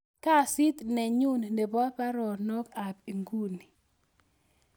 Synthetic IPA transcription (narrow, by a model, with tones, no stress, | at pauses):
ka˦˨si˦t̪nɛ˨ɲu˦n˨ne˨bɔ˦pa˦ɾɔ˨no˦ka˨p̚i˨ŋɡu˦ni˨